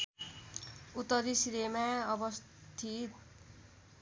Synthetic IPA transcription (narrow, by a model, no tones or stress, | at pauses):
ut̪ːʌɾisiɾemaʌbʌs | t̪ʰit̪